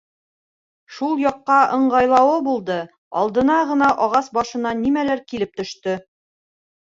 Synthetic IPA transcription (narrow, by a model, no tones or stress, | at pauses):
ʃulˠjɑqːɑɤ̆ɴɢʁɑjlˠɑwɤbulˠd̪ɤ | ɒ̰lˠd̪ɤ̆nɑʁɤ̆nɑʔɒʁɑsbɒʃɤ̆nɑnimælæɾkilɘp̚t̪ɵ̆ʃt̪ɵ